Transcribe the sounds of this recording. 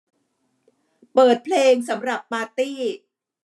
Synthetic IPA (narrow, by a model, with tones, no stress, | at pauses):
pɤː˨˩t̪̚pʰleː˧ŋsa˩˦mɾa˨˩pːaː˧t̪iː˥˩